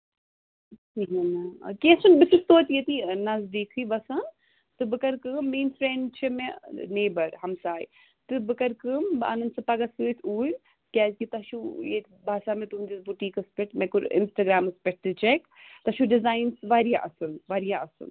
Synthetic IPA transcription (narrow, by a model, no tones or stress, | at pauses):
iɦɐna̰kesunbɪsɨst̪oːt̪jet̪inɐzd̪eːkʰɨbɐsɐn | t̪ɨbɨkɐɾkɨːmːeːnfɾeɳɖt͡ʃʰimeneːbɐɾɦɐmsaːj | t̪ɨbɨkɐɾkɨːma̰nɐnd̪sɨpɐɡasɨːt̪ʰuːlʲ | kʲazkit̪ɐʃujek | bʱaːsaːmẽt̪und̪isbuʈiːkɐspɛʈmekuɾɪ̰nsʈɐɡɾaːmɐspɛʈ̚t̪ɨt͡ʃek | t̪ɐʃuɖɪzaːjnsʋaɾjaʔɐsɨnʋaːɾijaɐsɨ̰n